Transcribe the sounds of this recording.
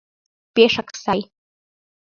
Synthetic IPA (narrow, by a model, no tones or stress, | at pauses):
pʼeʂakʰʼsaj